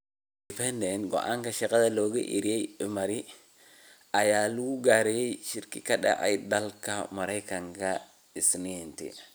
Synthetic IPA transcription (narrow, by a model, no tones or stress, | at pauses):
dipɛndɛnɡɔ̰ʔa̰ŋkɐʃɐqɐðɐloːɡɐ̰ʔḭɾiɛjɪmɐɾi | ɐjaːluuɡaːɾɛjɛjʃiɾkikɐɗɐ̰ʕɛ̰jdɐlkɐmɐɾɐjkɐŋkɐ | ɪsniɛnt̪ḭ